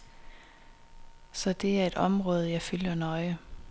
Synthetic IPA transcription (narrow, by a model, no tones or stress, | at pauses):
sɒ̽d̥e̝æɐe̝d̥ɒ̽mʁɔ̽ːð̞ˠəjɑ̈ɪfyljɐnɒ̽ɪə